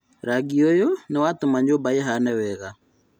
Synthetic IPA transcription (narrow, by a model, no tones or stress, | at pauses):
ɾaɡiɔjɔnɛwatumaɲobaɛɦanɛwɛɣa